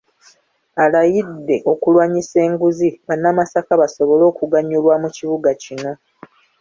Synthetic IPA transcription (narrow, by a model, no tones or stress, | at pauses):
alajidːe̞ʔo̞kulwaːɲise̞ːŋɡuziβanːamasakaβaso̞βo̞lo̞ːkuɡaɲːulwamuciβuɡacino̞